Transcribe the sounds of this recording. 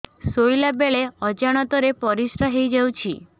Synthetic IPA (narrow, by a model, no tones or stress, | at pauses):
sojlabeɭeɔd͡ʒaɽ̃ɔt̪ɔɾepɔɾisɾaɦejd͡ʒawt͡ʃʰi